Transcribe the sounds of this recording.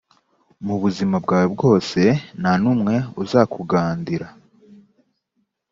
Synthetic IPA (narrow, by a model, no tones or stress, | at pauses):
muβuzimabɡaːwebɡo̞ːse̞nanumŋe̞uzakʰuɡaːndiɾa